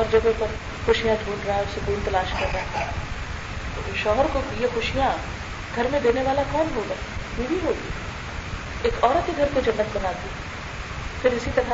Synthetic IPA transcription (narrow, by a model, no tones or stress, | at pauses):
ɔːɾd͡ʒɐbopəɾ | xʊʃijãd̪ʱuːnɖɾaɛɔːɾsʊkuːnt̪ɐlaːʃkɐɾːaɦt̪ː | ʃɔːɦəɾkobjexʊʃijã | ɡʱɐɾmẽd̪eːneʋaːlakɔːmɦoːɡaɦɛɦibiɦoːɡ̪i | eːkɔːɾət̪iɡʱɐɾkod͡ʒɐnːət̪bɐnaːt̪i | fʰɪɾɪsit̪ɐɾa